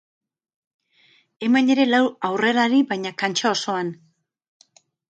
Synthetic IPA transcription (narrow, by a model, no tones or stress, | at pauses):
e̞mane̞ɾe̞lawawre̞ɾaɾiβajɲakant͡ʃao̞so̞an